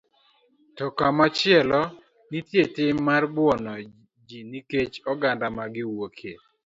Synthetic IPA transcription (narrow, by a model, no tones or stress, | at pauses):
tɔkamat͡ʃɪɛlɔ | nitjetɪmːarbwɔnɔ | d͡ʒiniket͡ʃɔɡandamaɡɪwokʰe